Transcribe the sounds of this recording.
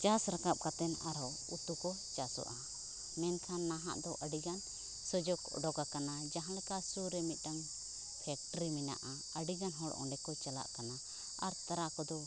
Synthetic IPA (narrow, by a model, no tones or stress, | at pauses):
t͡ʃasɾakap̚kat̪ɛnaɾɔ | ut̪ukɔ | t͡ʃasɔ̰ʔa | mɛnkʰanːaɦa̰ʔd̪ɔʔəɖiɡan | sɔd͡ʒɔkɔ̰ɖɔɡakanad͡ʒaɦãɽɛkasuɾɛmit̪̚ˀʈaŋ | pʰɛk̚ʈɾimina̰ʔa | əɖiɡanɦɔɽʔɔ̰̃ɳɖɛkɔt͡ʃala̰ʔkana | aɾt̪aɾakɔd̪ɔ